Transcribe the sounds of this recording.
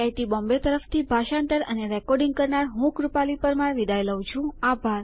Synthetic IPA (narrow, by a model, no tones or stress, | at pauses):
ajt̪ibɔ̃mbet̪əɾəft̪ʰibʱaʃaɳʈ̪əɾəneɾɛkɔɾɖĩŋɡ̚kəɾnaɾɦũkɾupalipəɾmãɾʋid̪ajləʋt͡ʃʰũabʱaɾ